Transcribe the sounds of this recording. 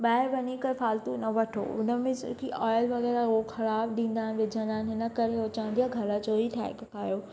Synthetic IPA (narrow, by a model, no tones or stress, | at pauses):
ɓaːɦɪɾʋɐɲikɐɾfaːlt̪unɐʋɐʈʰo̰ʊ̰nəmẽskiʔɔːɪlʋɐɣɛːɾaɦoxɐɾaːbɗĩːnd̪aːɦɪn̆ʋɪd͡ʑʱə̃nd̪aːɪnɦɪnəkɐɾeot͡ɕãːnd̪ijaɡʱɐɾət͡ɕoːiʈʰa̰ːɦɪ̰kɐkaːjoː